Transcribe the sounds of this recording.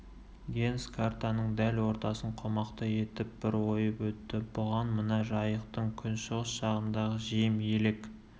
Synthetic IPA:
ɡʲe̞nskʰart̪anəɴd̪ælwo̞ɾt̪ɑsəɴqʰo̞mɑqt̪ɑje̞t̪ɪp̚bɪɾwo̞jəpwɵt̪ːɪbʊʁɑnmənɑʒɑjəqt̪əɴkʲʰʏnʃəʁəsʃɑʁənd̪ɑʁəʒijɪmjelek

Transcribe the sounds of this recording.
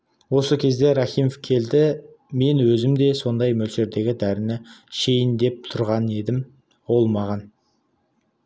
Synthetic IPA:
wo̞səkʲʰe̞zd̪e̞ɾɑχijmofkʲʰe̞ld̪ɪ | me̞nwɵzɪmd̪e̞so̞nd̪ɑjmɵlʃe̞ɾd̪e̞ɡʲɪd̪æɾɪnɪʃe̞jɪnd̪e̞p̚t̪ʰʊɾʁɑne̞d̪ɪm | wo̞lˠmɑʁɑn

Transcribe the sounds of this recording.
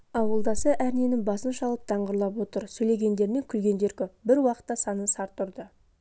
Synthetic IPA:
ɑwəlˠd̪ɑsəʔæɾne̞nɪŋbɑsənʃɑlˠəp̚t̪ʰɑɴʁəɾlˠɑp̬wo̞t̪əɾsɵjle̞ɡʲe̞nd̪e̞ɾme̞ŋkʲʰʏlɡʲe̞nd̪e̞ɾkʲʏbɪɾwɑqə̥t̪ːɑsɑnənsɑɾt̪ʰːʊɾd̪ə

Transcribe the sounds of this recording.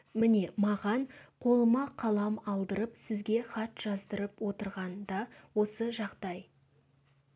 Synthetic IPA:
mɪne̞mɑʁɑnqʰo̞lˠəmɑqʰɑlˠɑmɑlˠd̪əɾəpsɪzɡʲe̞χɑt̪ʒ̥ɑzd̪əɾəpwo̞t̪əɾʁɑnd̪ɑwo̞səʒɑqd̪ɑj

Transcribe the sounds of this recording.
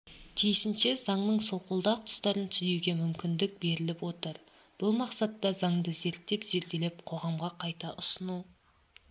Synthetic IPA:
t̪ʰijʃɪnʃe̞z̥ɑɴnəɴsolˠqəlˠd̪ɑq̚t̪ʰʊ̥st̪ɑɾənt̪ʰɪzewɡʲe̞mʏmkʲɪnd̪ɪk̚be̞ɾɪlɪpwo̞t̪əɾ | b̥ʊlˠmɑqsɑt̪ːɑzɑɴd̪əze̞ɾt̪ːe̞pz̥e̞ɾt̪e̞lep̚qʰo̞ʁɑmʁɑqʰɑjt̪ɑʔʊsənu

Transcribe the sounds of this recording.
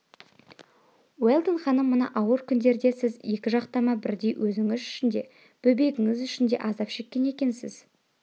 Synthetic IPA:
welˠd̪ənχɑnəmːʊnɑ̰ʔɑwəɾkʲʰʏnd̪e̞ɾd̪e̞sɪzje̞kʲɪʒɑqt̪ɑmɑbɪɾd̪e̞jwʔɵzɪŋɪzʏʃɪnd̪e̞ | b̥ɵbe̞ɡʲɪŋɪzʏʃɪnd̪e̞̰ʔɑzɑpʃe̞kʲːe̞ne̞kʲe̞nsɪ̰z

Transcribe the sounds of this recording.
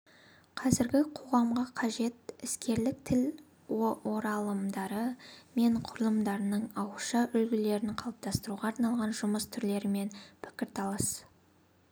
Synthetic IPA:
qʰɑzɪɾɡʲɪqʰo̞ʁɑmʁəqʰɑʒe̞t̪ɪskʲe̞ɾlɪk̚t̪ʰɪl | owo̞ɾɑlˠəmd̪ɑɾəme̞ɴqʰʊɾəlˠəmd̪ɑɾənəɴɑwəʃɑʔʏlɡʲɪle̞ɾɪnqʰɑlˠəp̚t̪ʰɑst̪əɾuʁɑːɾnɑlˠʁɑnʒʊməst̪ʰʏɾle̞ɾɪme̞npʰɪ̥kʲɪɾt̪ʰɑlˠɑs

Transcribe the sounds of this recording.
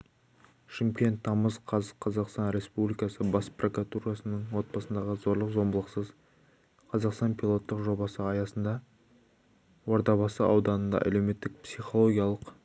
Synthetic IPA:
ʃɪmkʲe̞nt̪ʰːɑməzqʰɑzəqʰɑzɑqst̪ɑnɾe̞spublijkɑsəbɑsprʔokat̪uɾɑsənəɴwo̞t̪̚pɑsənd̪ɑʁəzo̞ɾlˠəqzo̞mbəlˠəqsəz | qʰɑzɑqst̪ɑnpʰilˠo̞t̪ːəqʒo̞bɑsəɑjɑsənd̪ɑ | woɾd̪ɑβɑsəɑwd̪ɑnənd̪ɑ̰ʔæ̰le̞wme̞t̪ːɪk̚psiχo̞lˠoɡʲijɑlˠəq

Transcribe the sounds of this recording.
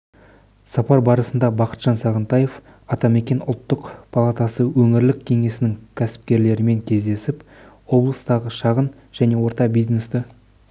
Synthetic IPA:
sɑpɑɾbɑɾəsənd̪ɑbɑqə̥t̪ʒ̥ɑnsɑʁənt̪ɑjef | ɑt̪ɑme̞kʲe̞nʊ̰lˠt̪ːəqpʰalˠɑt̪ɑsəwɵŋɪɾlɪkʲʰːe̞ŋe̞sɪnɪŋkʲʰæsɪ̥p̚kʲe̞ɾle̞ɾɪme̞ŋkʲʰe̞zd̪e̞sɪp | wo̞blˠəst̪ɑʁəʃɑʁən | ʒ̥æne̞wo̞ɾt̪ɑbijzne̞st̪ɪ

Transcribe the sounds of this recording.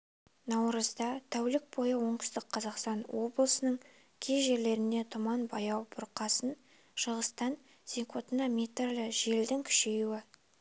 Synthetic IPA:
nɑwɾəzd̪ɑt̪ʰæwlɪk̚bo̞jəwo̞ɴtst̪ɪqqʰɑzɑqst̪ɑnwo̞blˠəsənəɴ | kʲʰe̞zʒe̞ɾle̞ɾɪnd̪e̞t̪ʰʊmɑnbɑjɑwbʊɾqɑsən | ʃəʁəst̪ɑn | z̥iŋkʰo̞t̪ənɑmʲet̪rlɪʒe̞ld̪ɪŋkʲʰʏ̥ʃe̞juwɪ

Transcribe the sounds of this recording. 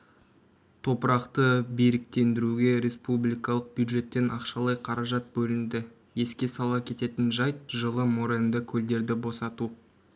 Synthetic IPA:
t̪ʰo̞pəɾɑqt̪əbe̞ɾɪk̚t̪e̞nd̪ɪɾuɡʲe̞ɾe̞spublˠijkɑlˠəq̚b̥jud̪ʒe̞t̪ːe̞nʔɑqʃɑlˠɑjqʰɑɾɑʒɑt̪̚bɵlɪnd̪ɪ | je̞skʲe̞sɑlˠɑkʲʰe̞t̪e̞t̪ɪnʒɑjt̪̚ʒəlˠəmoɾend̪ɪkʲʰɵld̪e̞ɾd̪ɪbo̞sɑt̪u

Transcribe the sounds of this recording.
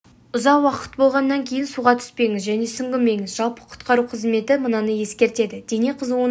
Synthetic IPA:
ʊzɑqwɑqə̥t̪̚bo̞lˠʁɑnːɑŋkʲʰe̞jɪnsuʁɑt̪ʰʏ̥spe̞jŋɪzʒæne̞sʏŋɡʲɪmme̞jŋɪzʒɑlˠpə̥qʰʊ̥t̪qɑɾuqʰəzme̞t̪ɪmənɑnəje̞skʲe̞ɾt̪e̞d̪ɪd̪e̞ne̞qʰəzwo

